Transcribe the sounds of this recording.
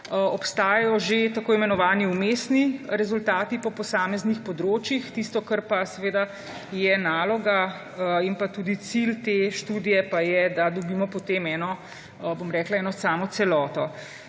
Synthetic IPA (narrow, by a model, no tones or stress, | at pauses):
ɔpst̪aːjajɔʒet̪akoːimɛnɔʋaːniumesniɾɛzult̪aːt̪ipɔpɔsaːmɛznixpɔd̪ɾoːt͡ʃjixt̪iːst̪ɔkəɾpasɛʋeːd̪a | jɛnaːlɔɡa | inpat̪uːd̪it̪silt̪eʃt̪uːd̪ijɛpajɛd̪ad̪ɔbiːmɔpɔt̪eːmɛːnɔ | bomɾɛːklaɛːnɔsaːmɔt̪sɛlɔːt̪ɔ